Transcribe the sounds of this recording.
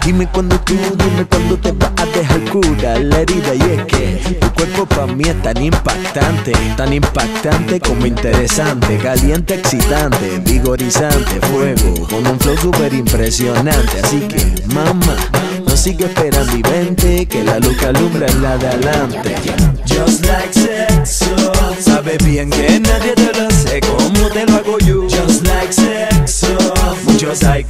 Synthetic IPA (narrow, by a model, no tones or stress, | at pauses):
d̪ime̞kwand̪ot̪uðime̞kwand̪o̞t̪epaʔat̪eɦalkuɾalaeɾiðajehkḛt̪ukwe̞ɾpo̞pamiest̪animpak̚t̪ant̪et̪animpak̚t̪ant̪e̞ko̞moint̪e̞ɾe̞sant̪e̞kalje̞nt̪eeksit̪ant̪e̞βiɣo̞ɾisant̪e̞fwe̞ɣo̰konuɱflows̬upe̞ɾimpɾe̞sjo̞nãnt̪e̞asike̞̰mama | nosiɣeespe̞ɾand̪oiβe̞nt̪e̞kelalut͡ʃalumbɾaelaðealant̪e̞̰ | d͡ʒoslajksesosaβeβjeŋkenaðjet̪elosekomot̪eloaɣoʝud͡ʒozlajkseksomut͡ʃosaj